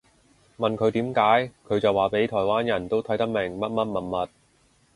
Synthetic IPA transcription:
mɐ˨nkʰɵ˨˧ɥt̪iː˨˥mkaː˨˥jkʰɵ˨˧ɥt͡sɐ˨waː˨˩pe˨˥jt̪ʰɔː˨˩jwaː˥njɐ˨˩nt̪o˥wt̪ʰɐ˨˥jt̪ɐ˥k̚mɪ˨˩ŋmɐ˥t̚mɐ˥t̚mɐ˨˩nmɐ˨t̚

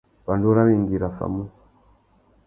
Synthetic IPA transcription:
βa˨ndu˦ɾa˦ni˨ŋɡi˨ɾa˨fa̰˨mu˦

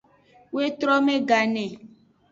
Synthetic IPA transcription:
we˦t̪ɾɔ˦mẽ˦ɡa˨nɛ̃˨

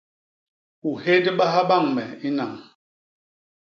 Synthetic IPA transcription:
u˨he˦də˦ɓa˦ɦa˦ɓa˦˨ŋmɛ˨i˦na˨ŋ

